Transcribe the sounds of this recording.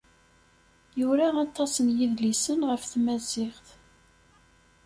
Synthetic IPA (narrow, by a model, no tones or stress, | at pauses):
juɾaɑt̪ˤːɑsənjiðlisənʁəfθmæzɪχθ